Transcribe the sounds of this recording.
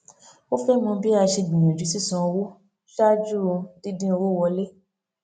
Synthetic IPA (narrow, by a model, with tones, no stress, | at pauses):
o˦fɛ˦mɔ̃˧bi˦a˧ʃe˧ɡ͡bĩ˨ẽ˨d͡ʒu˨˦si˦˨sɔ̃˧wo˦ | ʃa˦d͡ʒu˦ɾo˧di˦dĩ˦o˧wo˦˨wɔ˧le˦